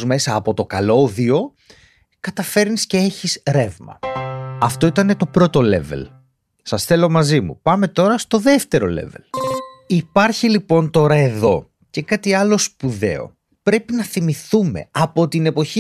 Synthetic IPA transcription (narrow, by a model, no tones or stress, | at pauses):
zme̞sɐːpo̞t̪o̞kɐlo̞ðio̞ | kɐt̪ɐfe̞ɾnisceeçisɾe̞vmɐ̰ɐft̪o̞it̪ɐnet̪o̞pɾo̞t̪o̞le̞̰vḛl | sɐsθe̞lo̞mɐzimṵpɐme̞t̪o̞ɾɐst̪o̞ðe̞ft̪e̞ɾo̞̰le̞̰ve̞̰lipɐɾçilipo̞nt̪o̞ɾɐe̞ðo̞ | ce̞kɐt̪iɐlo̞spuðe̞̰o̞̰ | pɾe̞pinɐθimiθume̞̰ɐpo̞t̪ine̞po̞çi